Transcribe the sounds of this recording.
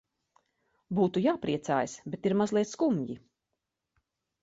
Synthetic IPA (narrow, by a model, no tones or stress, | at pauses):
buːt̪ujaːpɾiɛt̪saːjsbet̪iɾmazlˠiɛt̪skumɟi